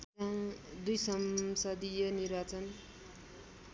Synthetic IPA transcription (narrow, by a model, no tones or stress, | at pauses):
ãd̪ujsʌmsʌd̪ijʌnirbat͡sʌn